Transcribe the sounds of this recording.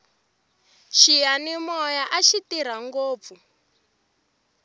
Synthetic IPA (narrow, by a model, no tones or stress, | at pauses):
ʃijanimɔjaʔaʃitiɾ̤aŋɡoːp̪fu